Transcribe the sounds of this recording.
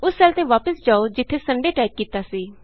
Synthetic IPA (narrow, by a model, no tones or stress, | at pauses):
ʊsɛːlt̪ẽːʋaːpəsd͡ʒaːoːd͡ʒɪt̪ʰːeːsəɳɖeːʈɛːkkiːt̪aːsiː